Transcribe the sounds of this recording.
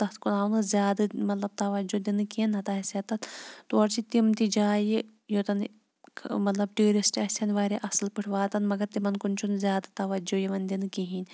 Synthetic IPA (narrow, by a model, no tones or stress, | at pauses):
t̪ɐt̪ʰkunaːnɨzʲjaːd̪ɨmɐt̪lɐb̚t̪ɐʋɐd͡ʒod̪inɨkinɐt̪ɐɐsɐt̪ɐt̪t̪uɐɾt͡ʃit̪imt̪id͡ʒaːji | jot̪ɐnʰ | mɐt̪lɐb̚ʈiːɾisʈɐːsʲɐnʋaːɾeʔɐsɨlpɨʈʰʋaːt̪ɐnmɐɡɐɾt̪imɐnkunt͡ʃʰunzʲjaːd̪ɨt̪ɐʋɐd͡ʒojiʋɐnd̪inɨkiɦiːnʲ